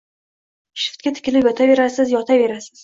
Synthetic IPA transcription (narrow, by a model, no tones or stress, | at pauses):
ʃɪ̥ft̪̚kʲat̪ʰɪ̥kʲɪlɪpjɒt̪ʰave̞ɾasɪzjɒt̪ʰave̞ɾasɪz̥